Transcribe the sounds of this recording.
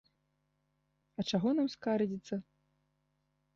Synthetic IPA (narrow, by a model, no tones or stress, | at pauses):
ɐt͡ʂaɣɔnamskaɾd͡zʲit̪sːɐ